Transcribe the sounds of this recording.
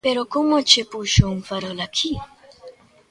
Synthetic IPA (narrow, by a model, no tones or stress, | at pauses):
peɾokomot͡ʃepuʃouŋfaɾɔlakʰi